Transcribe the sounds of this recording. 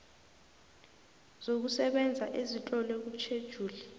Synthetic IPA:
z̥ok̬usɛɓɛnd͡zʱaʔezitʼɔlɛk̬ut͡ʃʰed̥ʒ̥ʱuːlɛ

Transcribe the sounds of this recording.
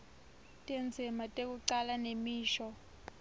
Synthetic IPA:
tʼend͡zʱimatʼek̬uǀalanemiːʃɔ

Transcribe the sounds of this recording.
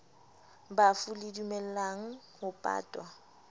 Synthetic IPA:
bafuledumɛl̩laŋ̩hʊpʼa̰ːtʼwa

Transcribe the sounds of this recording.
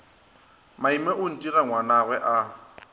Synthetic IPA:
maimɛʔʊn̩tʼiraŋwanaɣwɛʔa

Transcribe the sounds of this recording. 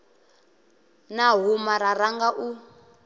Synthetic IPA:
naɦumaɾaɾaŋɡaʔu

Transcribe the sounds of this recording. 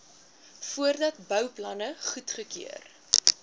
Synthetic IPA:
fuərdɐtbœwplɐnəχutχəkḭər

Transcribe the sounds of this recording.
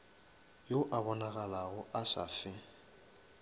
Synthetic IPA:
joʔabɔnaɣalaɣʊʔasa̰fɪ

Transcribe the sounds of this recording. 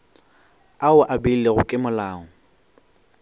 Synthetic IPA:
aʊʔabeileɣʊkʼɪmʊlaːŋɔ

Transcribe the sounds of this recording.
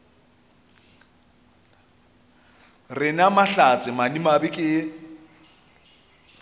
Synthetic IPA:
rɪnamaɬat͡sʼɪmanimabɪkʼɪ

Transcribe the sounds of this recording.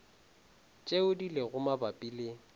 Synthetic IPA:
t͡ʃʼeʊdilɪɣʊmabapʼiːlɪ

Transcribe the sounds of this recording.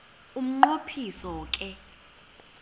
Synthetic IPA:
um̩ŋ͡ǃopʰisɔk̬ʼɛ

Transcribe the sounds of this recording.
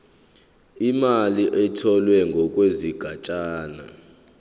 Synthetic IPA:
imaliʔɛtʰɔlwɛŋɡʱɔkʼweziɡ̥ʱat͡ʃʼaːna̰

